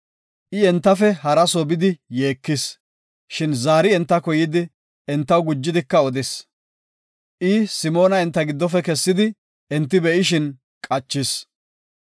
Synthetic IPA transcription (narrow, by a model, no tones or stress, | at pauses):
ʔɪɛnt̪ːɐfɛhɐɾɐsɔbɪd̪ɪjeːkːɪs | ʃɪnzaːɾɪɛnt̪ːɐkɔjɪd̪ɪ | ɛnt̪ːɐwɡʊd͡ʒːɪd̪ɪkːɐɔd̪ɛs | ʔɪsɪmo̞ːnɐɛnt̪ːɐɡɪd̪ːɔfɛkɛsːɪd̪ɪ | ɛnt̪ːɪbɛʔɪʃ̬ɪn | kʼɐt͡ʃːɪs